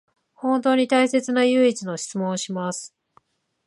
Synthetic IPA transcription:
hõ̞nt̪o̞ːɲ̟it̪aise̞t͡sɨnajɯ̟ːit͡sɨno̞ɕi̥t͡sɨmõ̞ɰ̃ɕimasɨ̥

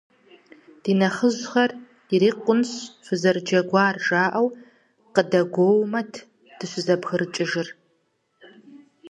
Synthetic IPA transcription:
d̥inɐχəʒʷχɐr | iɾiːqʷʼʊnɕfʷɨzɐrd͡ʒɐɡʷɑːrʒaːʔɐw | qədɐɡʷoːwmɐtʰ | d̥ɨɕʷɪzɐbxɨrɨt͡ʃʼɪʒɪr

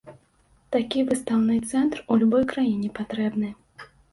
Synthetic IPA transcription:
t̪akʲivɨst̪awnɨt̪sɛnt̪rulʲubɔjkɾajinʲɛpat̪ɾɛbnɨ

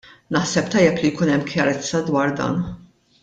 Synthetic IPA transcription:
nɐħsɛpt̪ɐjːɛplijkuːnɛmːkʰjɐɾɛt͡sːɐd̪wɐːɾd̪ɐ̰ːn

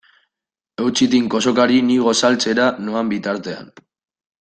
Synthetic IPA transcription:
e̞wt͡sit̪iŋko̞so̞kaɾiniɣ̞o̞salt͡se̞ɾanuambit̪aɾt̪e̞a̰n

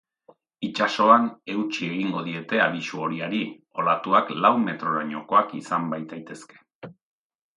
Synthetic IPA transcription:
it͡ʃaso̞ane̞wt͡ʃie̞ɣ̞iŋɡo̞ðie̞t̪e̞aβisuo̞ɾiaɾi | o̞lat̪uaklawme̞t̪ɾo̞ɾaɲo̞ko̞akisambajt̪ajt̪e̞ske̞̥

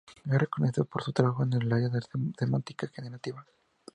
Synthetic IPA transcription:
arekoneθiðopoɾsut̪ɾaβaxoenellajaðeθemant̪ikaxeneɾat̪iβa

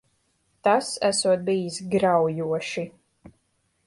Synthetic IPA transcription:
t̪asæsuɔt̪̚bijisɡɾawjuɔʃi

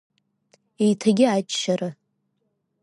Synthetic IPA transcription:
ejtʰaɡʲɪat͡ʃʼʃarɨ

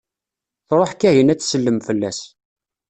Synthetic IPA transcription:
θɾˤoħkːæɦənæt͡sːsəlːəmfəlːæs

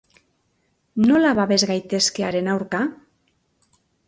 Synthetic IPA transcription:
nolaβaβezɣajt̪eskeaɾenawɾka

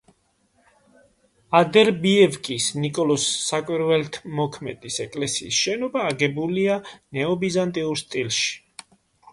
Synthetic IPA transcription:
ad̪ɛɾbiɛvkʼisnikʼɔlɔsːakʼwiɾvɛlt̪ʰmɔkʰmɛ̰d̪̥isɛkʼlɛsiːsʃɛnɔbaːɡɛbulianɛɔbizant̪ʼiuɾst̪ʼilʃi̥

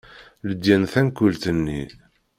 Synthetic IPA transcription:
ləd̪jænθænkːult̪ənːḭ

